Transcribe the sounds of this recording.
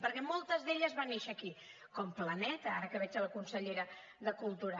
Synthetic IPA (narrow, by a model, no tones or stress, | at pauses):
pəɾkɛmɔlˠt̪əzðeʎəzβaneʃəːki | kɔmplənɛt̪əaɾəkəβɛd͡ʒələkunsəʎeɾə | ðəkulˠt̪uɾa